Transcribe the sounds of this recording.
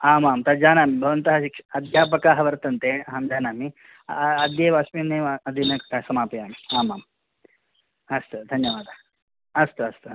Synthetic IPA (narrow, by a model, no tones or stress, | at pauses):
aːmaːmt̪ɐd͡ʒaːnaːmibʱɐʋɐnt̪ɐɦɐʃikʂɐ̥ɐd̪ʱjaːp̬ɐkaːɦɐʋɐɾt̪ɐnt̪eːɦaːmd͡ʒaːnaːmi | ɐd̪jeːʋaːsmiːneːɐd̪inɐsɐmaːpɐjaːmiaːmaːm | ɐst̪ud̪ʱɐnjɐʋaːd̪ʱa | ɐst̪uɐst̪u